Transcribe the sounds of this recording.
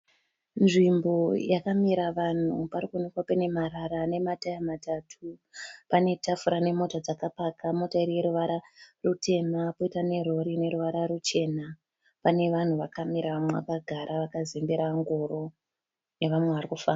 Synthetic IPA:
nʐimbo̞jakamiɾaʋan̤uparikunikwapene̞maɾaɾane̞matajamatatʰupane̞tafuɾane̞mo̞tad͡zakapakamo̞tairije̞ɾuʋaɾarutʰe̞napoitane̞ro̞ɾine̞ɾuʋaɾarut͡ʃe̞na | pane̞ʋan̤uʋakamiɾaʋamweʋa̰kaɡʱaɾʔaʋakazembeɾaŋɡoɾo̞ | neʋamwe̞ʋarikufaːna

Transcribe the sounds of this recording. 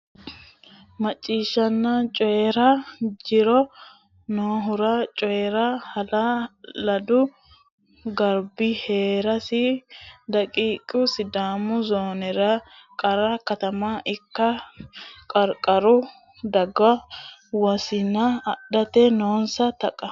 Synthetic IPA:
mɐt͡ʃʼːiːʃːɐnːɐt͡ʃʼɔjɛɾɐd͡ʒɪɾɔ | noːɦʊɾɐt͡ʃʼɔjɛɾɐhɐlalɐd̪ʊ | ɡɐɾbɪheːɾɐsɪd̪ɐkʼiːkʼːʊsɪd̪aːmʊzoːnɛɾɐkʼɐɾɐkɐt̪ɐmaʔɪkːɐ | kʼɐɾkʼɐɾʊ | d̪ɐɡɐwɔsɪnːɐːɗːɐt̪ɛnoːnsɐt̪ɐkʼːɐ

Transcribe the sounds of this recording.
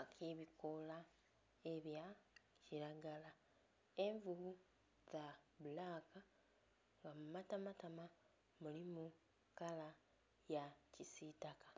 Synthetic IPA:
akʰeβikola | eβja | ciɾaɡala | e̞ɱvuβu | zaβulaːka | ŋɡamumatamatama | mulimu | kala | jacisitakḁ

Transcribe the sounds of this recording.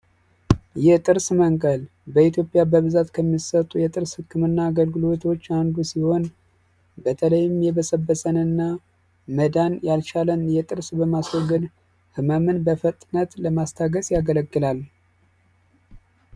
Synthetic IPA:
jɪht̪ʼɨɾsməŋkʼəl | bəit̪ʰjo̞pʼjabəβɨzat̪kʰəmːisət̪ʼːujɛt̪ʼɨɾshɨkʰːɨmɨnːaːɡəlɡɨlo̞t̪ʰo̞t͡ʃːand̪usiho̞n | bət̪ʰələjːɪmjɛβəsəbːəsənɨnːa | məd̪anjalt͡ʃalənjɛt̪ʼɨɾsbəmaswoɡɨn | hɨməmɨnbəfət̪ʼnət̪ləmast̪ʰaɡəsjaɡələɡːɨlal

